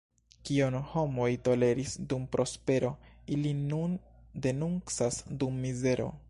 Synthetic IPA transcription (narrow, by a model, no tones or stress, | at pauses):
kionho̞mo̞jto̞le̞ɾisdumpɾʔo̞spe̞ɾo̞ilinun | de̞nunt͡sasdumːize̞ɾo̞̰